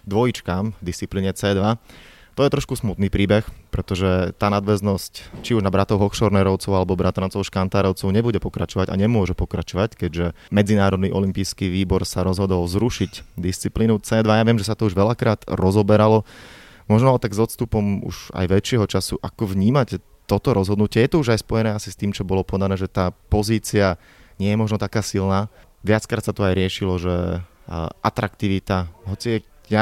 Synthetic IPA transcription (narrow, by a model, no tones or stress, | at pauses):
d̪ʋɔjit͡ʃkaːmd̪ist͡sipliːɲɛt͡sɛːd̪ʋa | t̪ɔjɛt̪ɾɔʃkusmut̪niːpɾiːbɛxpɾɛt̪ɔʒɛt̪aːnad̪ʋɛznɔsct͡ʃiuʒnabɾat̪ɔʊɦɔxʃɔɾnɛɾɔʊt͡sɔʊalɛbɔbɾat̪ɾant͡sɔʊʃkant̪aːɾɔʊt͡sɔʊɲɛbuɟɛpɔkɾat͡ʃɔʋaɟa̰ɲɛmʊɔʒɛpɔkɾat͡ʃɔʋackɛɟʒɛ | mɛd͡zinaːɾɔd̪niʔɔlimpiːskiːʋiːbɔɾsaɾɔzɦɔd̪ɔlzɾuʃicd̪ist͡sipliːnut͡sɛːd̪ʋajaʋɪɛmʒɛsat̪ɔuʒʋɛʎakɾaːd̪̥ɾɔzɔbɛɾalɔ | mɔʒnalɛt̪aɡzɔt̪st̪upɔmṵʒ̥a̰jʋɛt͡ʃɪɛɦɔt͡ʃasuʔakɔʋɲiːmac | t̪ɔt̪ɔɾɔzɦɔd̪nucɪɛjɛt̪ɔuʒajspɔjɛnɛːasi̥st̪iːmt͡ʃɔbɔlɔpɔd̪anɛːʒɛt̪aːpɔziːt͡sia | ɲɪɛjɛmɔʒnɔt̪akaːsilnaː | ʋɪat͡skɾaːt̪sat̪ɔajɾɪɛʃilɔʒɛ | ʔat̪ɾakt̪iʋit̪aɦɔt͡sia | ja